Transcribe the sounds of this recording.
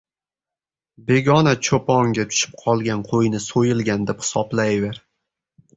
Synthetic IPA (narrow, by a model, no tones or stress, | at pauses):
be̞ɡʲɒnat͡ʃʰopʰɒŋɡʲat̪ʰʊ̥ʃɪ̥p̚qʰɒlˠɡʲanqʰojnɪsojɪlˠɡʲand̪ephɪ̥sɒblajveɾ